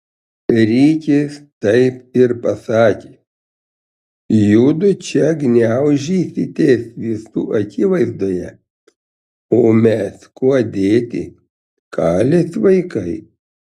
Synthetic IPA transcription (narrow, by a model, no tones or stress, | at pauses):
ɾʲiːkʲest̪ɐɪpɪɾpɐsɑːkʲeː | juːd̪ʊt͡ʃʲɛɡnʲæʊʒʲiːsʲɪt̪ʲeːsʋʲisṵːʔɐkʲiːʋɐɪzd̪oːjɛ | oːmʲɛskuːd̪ʲeːt̪ʲɪ̰ | kʰɑːlʲesʋɐɪkɐɪ